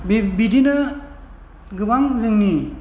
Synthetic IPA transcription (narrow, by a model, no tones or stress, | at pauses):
bbidinɐ | ɡɯbaŋzɯŋni